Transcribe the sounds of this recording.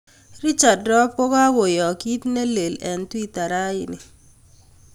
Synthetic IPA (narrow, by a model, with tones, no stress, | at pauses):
ɾi˦t͡ʃa˨dɾɔ˦p̚kɔ˦ka˦ɡo˨jɔ˨ki˦tne˦le˨lɛ˨n˦ti˦ta˨ɾa˦jɪ˨nɪ˨